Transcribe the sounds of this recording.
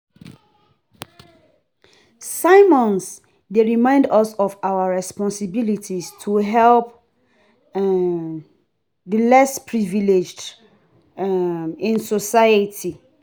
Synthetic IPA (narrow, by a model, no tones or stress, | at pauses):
saɪmɔ̃ns | deɹimãɪ̃ndɔsɔfawəɹɛspɔ̃nsibilitʰistʰuɦɛlp̚ | ðəlɛspʰɹiviled͡ʒd | ɪ̃nsosaɪətʰi